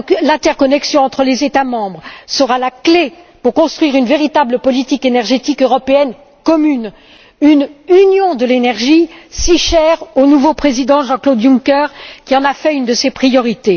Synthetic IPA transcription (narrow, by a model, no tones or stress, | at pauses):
klɛ̃t̪ɛʁkɔnɛksjɔ̃ɑ̃t̪χəlezet̪amɑ̃bʁsəʁalakle | puʁkɔ̃st̪χɥiʁynveʁit̪abləpɔlit̪ikenɛʁʒet̪ikøʁɔpeɛn | kɔmyn | ynynjɔ̃d̪əlenɛʁʒisiʃɛʁonuvopχezid̪ɑ̃ʒɑ̃klod̪jũŋkɛʁkʲiɑ̃nafɛynd̪əsepχijɔʁit̪e